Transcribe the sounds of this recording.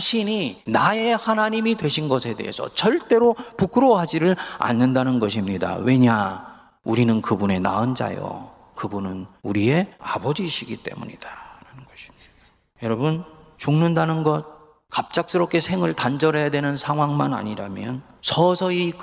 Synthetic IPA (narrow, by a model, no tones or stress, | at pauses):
ɕʰiɲinaje̞hanaɲimidwe̞ɕʰinɡʌsʰe̞de̞̰ɦḛsʰʌ̰t͡ɕʌɭt͈e̞ɾopukʰɾoɦad͡ʑiɾɯɭa̰nːɯndanɯnɡʌɕ̬ʰimɲida̰we̞ɲa | uɾinɯnkɯbune̞na̰ɯnd͡ʑa̰jo̰ | kɯbunɯnuɾie̞a̰bʌd͡ʑiːɕʰiɡit͈e̞mṵɲid̥aɾanɯnɡʌɕʰi̥ | jʌɾʌbɯnt͡ɕuŋnɯndanɯnɡʌt̚ | kap̚t͡ɕ͈ak̚s͈ɯɾʌp̚k͈e̞sʰe̞ŋɯɭtand͡ʑʌɾɦe̞jadwe̞nɯnsʰaŋɦwaŋmana̰ɲiɾamjʌnsʰʌsʰʌik